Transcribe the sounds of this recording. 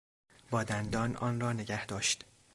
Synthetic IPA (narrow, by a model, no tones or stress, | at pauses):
bɒːd̪ænd̪ɒːnʔɒ̰ːnrɒːne̞ɟæhd̪ɒːʃd̪̥